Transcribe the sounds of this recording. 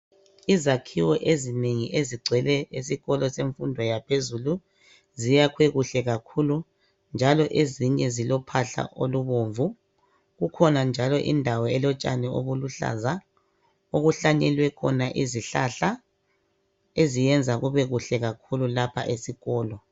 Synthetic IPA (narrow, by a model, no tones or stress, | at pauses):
izakʰiwɔʔezineŋiʔeziɡ͡ǀʱwɛlɛesiɣɔlɔseɱfundʱɔjapʰezulu | zijakʰwɛɣuɬɛɣakʰulu | nd͡ʒʱalɔʔeziɲɛzilɔpʰaɬa̰ʔoluβoɱvu | ɣukʰɔnand͡ʒʱalɔʔḭndʱawɔɛlɔt͡ʃʼa̰nɛoβuluɬa̰za | oɣuɬaɲɛlwɛkʰɔnaʔiziɬa̰ɬa | ezijɛnd͡zʱaɣuβɛɣuɬɛɣakʰululapʰa̰ʔesiɣɔːlɔ